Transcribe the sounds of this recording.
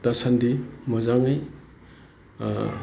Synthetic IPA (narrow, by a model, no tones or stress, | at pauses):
tasandimɔzaŋɯj